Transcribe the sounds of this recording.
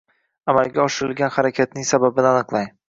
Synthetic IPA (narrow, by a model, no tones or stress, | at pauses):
amalˠɡʲaɒʃɪɾɪlɡʲanχaɾakʲʰat̪̚nɪŋsababɪnɪanɨqlˠaj